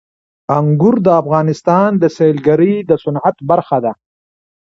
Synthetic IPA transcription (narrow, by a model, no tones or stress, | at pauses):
aŋɡʊɾd̪əːfɣɑːnɪst̪ɑːnd̪əselɡaɾid̪əsʊnʕat̪baɾxad̪a